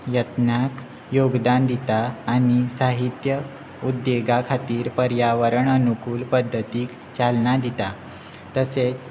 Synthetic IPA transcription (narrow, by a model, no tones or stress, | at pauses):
jət̪nak | joɡd̪and̪ʱit̪aːñisaɦit̪jə | ud̪ːeɡakʰat̪iːɾpəɾjaʋəɾəɳənukuːlpəd̪ʱːət̪iːk | t͡ɕalnad̪ʱit̪a | t̪əset͡s